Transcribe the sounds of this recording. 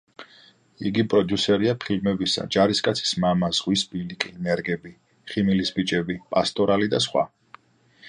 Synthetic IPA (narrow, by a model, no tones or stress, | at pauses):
ḭɡipʼɾɔd̪jusɛɾiapʰilmɛbisa̰d͡ʒaɾiskʼat̪sʰi̥smamazʁwisbilikʼinɛɾɡɛbi | χimilisbit͡ʃʼɛbipʼast̪ʼɔɾalid̪asχwa̰